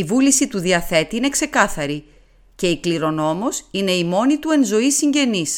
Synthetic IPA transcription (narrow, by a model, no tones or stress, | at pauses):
ivulisit̪uðiɐθe̞t̪iine̞kse̞kɐθɐɾi | ce̞ikliɾo̞no̞mosine̞imo̞nit̪ue̞nzo̞isiɲɟe̞nis